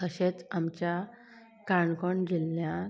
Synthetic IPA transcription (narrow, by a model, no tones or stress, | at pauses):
əɕet͡samt͡ɕja | kaɳkɔɳd͡ʑilːjã